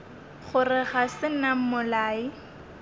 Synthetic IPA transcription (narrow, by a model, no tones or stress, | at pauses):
χʊrɪχasɪnam̩mʊlaːi